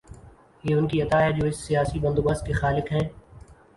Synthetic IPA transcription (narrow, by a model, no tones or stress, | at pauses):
jeːʊnkiɐt̪aːjad͡ʒoːɪsːɪjaːsibə̃nd̪oːbəst̪kexaːlɪkɦɛ̃ː